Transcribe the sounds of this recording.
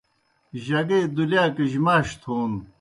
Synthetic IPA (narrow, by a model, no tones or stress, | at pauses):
ʑɐɡeːd̪uljaːkiʑmaːɕt̪ʰuːn